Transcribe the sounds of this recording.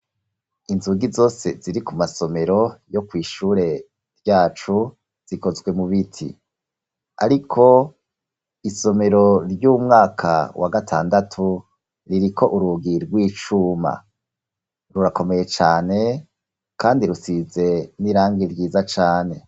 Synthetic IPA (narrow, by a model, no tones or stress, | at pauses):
inzuɡizo̞ːse̞ziɾikumaso̞me̞ɾo̞jo̞kwiːʃuːɾe̞ | ɾjaːt͡ʃu | z̥iko̞zɡwe̞muβitʰḭ | a̰ɾikʰo̞ | iso̞me̞ɾo̞ɾjuːmŋaːkʰa̰wʔa̰ɡatʰa̰ːndatʰu | ɾiɾikʰo̞ʔuɾuɡiɾɡwiːt͡ʃuma̰ | ɾuɾako̞me̞je̞t͡ʃaːne̞ | kʰaːndiɾusize̞niɾaːŋɡiɾɟiːzat͡ʃaːne̞